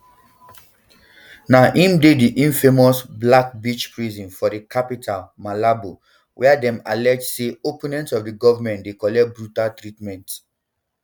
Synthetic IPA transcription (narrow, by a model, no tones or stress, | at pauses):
naʔĩmdediʔĩnfemɔsblak̚bit͡ʃpɹizĩnfɔdikapitʰalmalabo | wʔɛadɛ̃ma̰lɛd͡ʒseopũnɛ̃ntɔfdiɡɔvamɛ̃ntdekɔlɛt̚bɹutaltɹitmɛ̃nt